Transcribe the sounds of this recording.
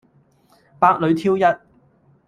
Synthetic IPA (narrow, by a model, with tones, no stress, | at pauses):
paː˧k̚lɵ˨˧ɥt̪ʰiː˥wjɐ˥t̚